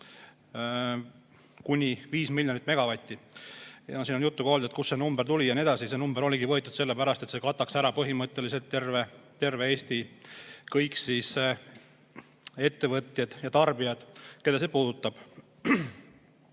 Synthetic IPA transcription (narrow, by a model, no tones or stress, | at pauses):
kunʲiviːsmilʲːjonit̪ːˑmeɡ̥ɑvɑt̪ʲːijɑsiːnonjut̪ːuko̞ːld̪et̪kusːenumbeɾt̪ulʲijɑnie̞d̪ɑsisenumbeɾo̞lʲiɡivɤ̞et̪ːˑud̪̥se̞lːe̞pæɾɑst̪e̞t̪seːkɑt̪ːˑɑksæɾɑpɤɦimɤt̪ːˑe̞liselt̪ːervet̪e̞rveeːst̪ikɤjksis | e̞t̪ːe̞vɤt̪jɑd̪̥jɑt̪ɑrbijɑd̪̥ke̞d̪ɑse̞ːpuːd̪ut̪ːˑɑb̥